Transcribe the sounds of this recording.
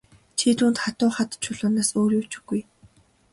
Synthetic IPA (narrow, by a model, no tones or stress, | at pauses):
t͡ɕʰit̪uːnt̪χat̪ʊːχat̪t͡ɕʰʊɮʊːnaːsoːɾjut͡ɕɵ̥̆ɡuj